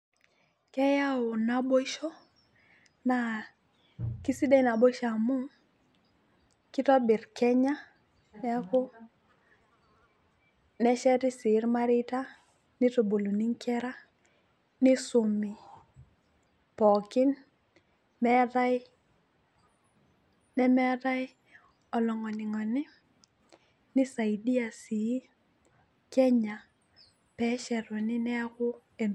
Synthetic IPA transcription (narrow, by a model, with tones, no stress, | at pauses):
kɛ˦ja˦ʊ˨na˨bo˦i˦ʃɔ˦ | na˨ | ki˦si˦dɛ˦na˨bo˦i˦ʃa˨mʊ˦ | kɪ˦tɔ˦bɪ˨rkɛ˦ɲa˦ | nɛ˦ko˦ | nɛ˦ʃɛ˦tɪ˦sɪ˨˦ɾma˦ɾɪ˦ta˦ | nɪ˦to˨bo˨lo˨ni˦ŋkʰɛ˦ɾa˦ | nɪ˦sʊ˨mi˨ | pɔ˨kɪ˦n | mɛ˦da˦j | nɛ˦mɛ˦da˦j | ɔ˨lɔ˨ŋɔ˨nɪ˨ŋɔ˨nɪ˦ | nɪ˦sa˨i˨di˦a˨si˨˦ | kɛ˦ɲa˨ | pɛ˨˦ʃɛ˨ɾɔ˨nɪ˦nɛ˦a˦kʊ˦ | e˨n